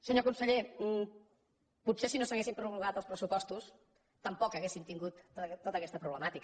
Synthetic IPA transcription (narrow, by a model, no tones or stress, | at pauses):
səɲokunsəʎe | put̪sesinosəɣesimpɾuβluɣat̪əlˠspɾəsupɔst̪us | t̪əmpɔkəɣesimt̪iŋɡut̪t̪ːot̪əkɛst̪əpɾuβləmat̪ik